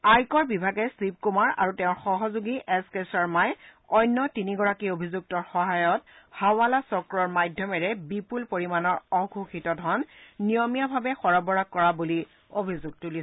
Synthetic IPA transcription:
ajkɔɹbibʱaɡɛsib̚kumaɹa̰ɹutɛʊ̃ɹxɔɦɔzuɡiʔɛskesaɹmaj | ɔjnːɔtiniɡɔɹakiobʱizuk̚tɔɹxɔɦajɔthaʊwalasɔkɹɔɹmajdʱjɔmɛɹɛbipulpoɹimanɔɹɔɡʱuxitɔdʱɔnːijɔmijabʱabɛxɔɹɔbɔɹaɡ̚kːɔɹabuli | obʱizuɡ̚tuli

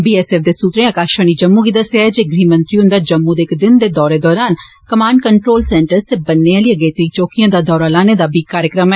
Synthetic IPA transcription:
biːɛːsɛːfd̪eːsuːt̪ɾẽːaːkaːʃə̃ːniːd͡ʒəmːuːɡiːd̪əsjaːɛd͡ʒeːɡɾiːmə̃nt̪ɾiːʊ̃nd̪aːd͡ʒəmːũːd̪eːkd̪ɪnd̪eːd̪ɔːɾeːd̪ɔːɾaːn | kəmaːɳɖkəɳʈɾoːlsɛːɳʈəɾst̪eːbənːealiːəɡeːt̪eit͡ʃoːkijãːd̪aːd̪ɔːɾaːlaːneːd̪aːbʱiːkaːɾjəkɾəmɛː

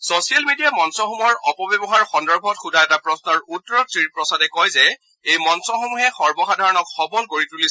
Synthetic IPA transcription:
sosijalmedijamɔnsɔxomuɔɹɔpɔbjɔbɔɦaɹxɔndɔɹbʱɔtxudaɛtapɹɔsnɔɹutːɔɹɔtɹipɹɔsadɛkɔjzɛ | ejmɔnsɔxomuɦɛxɔɹbɔxadʱaɹɔnɔkxɔbɔnkoɹituli

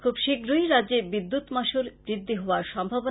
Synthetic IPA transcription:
kʰubʃiɡɾujɾadːd͡ʑebid̪ːut̪maʃulbɾid̪ʱːiɦooaɾʃɔmbʱabo

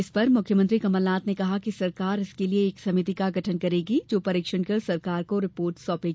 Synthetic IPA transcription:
ɪspɐɾmʊkʰjəmɐ̃nt̪ɾikɐməlnaːt̪nekɐɦakisɐɾkaːɾɪskelieːksɐmɪt̪ikaɡʱɐʈʰənkɐɾeːɡid͡ʒoːpɐɾiːkʃənkɐɾsɐɾkaːɾkoɾɪpoːɾʈsɔːpeːɡ

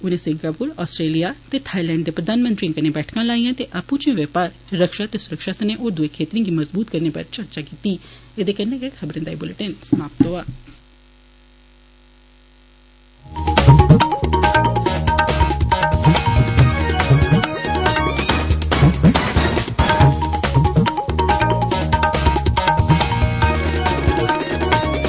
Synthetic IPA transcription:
ʊnẽsɪ̃ŋkəbkuɾɔːsʈɾeːlijat̪et̪ʰaːilɛ̃ːɳɖd̪epɾəd̪ʱaːnmə̃nt̪ɾĩkəɾnebɛːʈʰkãlaːijãt̪eʔaːpũt͡ʃiõʋepaːɾ | ɾəkʃat̪esʊɾəkʃasəneʔoːɾd̪uekʰeːt̪ɾĩɡimɐzbuːt̪kɐɾnepɐ̰ɾt͡ʃɐɾt͡ʃakiːt̪ied̪ekɐnekekʰɐbɾə̃nd̪ajbʊlɪʈensmaːp̚t̪oaː

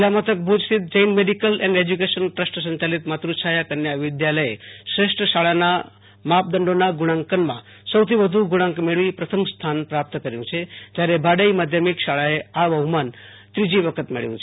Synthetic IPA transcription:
lamət̪ək̚bʱud͡ʒsit̪̚d͡ʒəjnmeɖikəlɛ̃ɳɖed͡ʒuk̬eʃənʈɾəsʈsə̃ɲt͡ʃalit̪mat̪ɾuʃʰajakəɾnjaʋɪd̪jaləjḛsɾeʂʈɾəʃaɭana | map̚d̪əɳɖonaɡuɽ̃ãŋkənmã̰ | səwt̪ʰiʋəd̪ʱũɡuɽ̃ãŋkmeɭʋipɾət̪ʰəmst̪ʰanpɾap̚t̪əkəɾjũt͡ʃʰed͡ʒ̪jaɾebʱaɽəjmad̪ʱjəmikʃaɭaeabʱəɦuman | t̪ɾid͡ʒiʋəkʰət̪mḛɭjũt͡ʃʰe

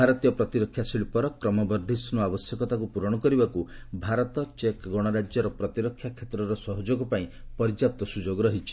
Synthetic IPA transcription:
bʱaɾɔt̪ijɔpɾɔt̪iɾɔkʰːjasiɭipɔɾɔkɾɔmɔbɔɾd̪ʱisnuabɔsjɔkɔt̪akupuɾɔɽ̃ɔkɔɾibakubʱaɾɔt̪ɔt͡ʃekɡɔɽ̃ɔɾad͡ʒjɔɾɔpɾɔt̪iɾɔkʰjakʰet̪ɾɔɾɔsɔɦɔd͡ʒoɡɔpaĩpɔɾid͡ʒap̚t̪ɔsud͡ʒoɡɾɔɦit͡ʃʰi̥

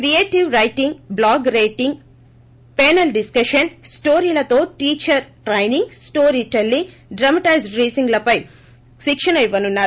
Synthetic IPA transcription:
kɾieːʈiʋɾɐjʈiŋɡblaːɡɾɐjʈiŋɡ | pɛːnɐlɖiskɐʃɐnsʈoːɾiːlɐt̪o̞ːʈiːt͡ʃɐɾʈɾɐjniŋɡsʈoːɾiːʈelːiŋ | ɖɾɐmɐʈɐjzɖɾiːziŋɡlɐpɐj | ʃikʂɐnɐiʋːɐnunːaː

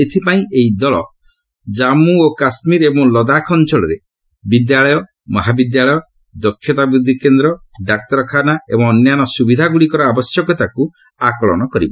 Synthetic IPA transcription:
et̪ʰipaĩʔejd̪ɔɭɔ̰ | d͡ʒamuokasmiɾebɔŋlɔd̪akʰɔnt͡ʃɔɭɔɾe | bid̪jaɭɔjɔ | mɔɦabid̪jaɭɔjɔ | d̪ɔkʰːjɔt̪abɾud̪ʱːikend̪ɾɔɖak̚t̪ɔɾɔkʰanaḛbɔŋɔnjanɔsubid̪ʱaɡuɽikɔɾɔabɔsjɔkɔt̪aku | akɔɭɔ̰ñɔkɔɾibɔ

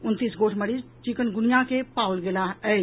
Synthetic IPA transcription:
ʊnt̪iːsɡoːʈʰmɐɽizt͡ʃikənɡʊnijãkepaːwlɡelaɛ

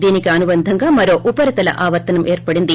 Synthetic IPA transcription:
d̪iːnikɯɐnubɐnd̪ʱɐŋɡaːmɐɾoːʔupɐɾit̪ɐlɐ̰ʔaːʋɐɾt̪ɐnɐmʔeːɾpɐɽind̪i

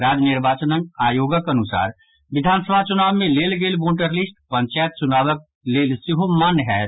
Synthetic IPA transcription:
ɾaːd͡ʒnɪɾbaːt͡ʃənə̃ŋɡaːjoːɡəkɐnʊsa̰ːɾ | ʋɪd̪ʱaːnsəbʱat͡ʃʊnaːʋmẽleːlɡeːlboːʈəɾlisʈ̚pə̃ɲt͡ʃaːjət̪̚t͡ʃʊnaːʋək̚ | leːlsɪɦomanɦɛː

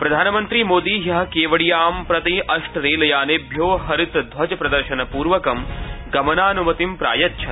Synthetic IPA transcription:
pɾɐd̪ʱaːnɐmɐnt̪ɾimoːd̪iːjɐɦɐ̆keːʋɐɽijaːmpɾɐt̪iʔɐʂʈɾeːlɐjaːneːbʱjoːɦɐɾit̪d̪ʱʋɐd͡ʒɐpɾɐd̪ɐɾʃɐnɐpuːɾʋɐkɐmɡɐmɐnaːnumɐt̪impɾa̰ːjɐtːʃʰɐ

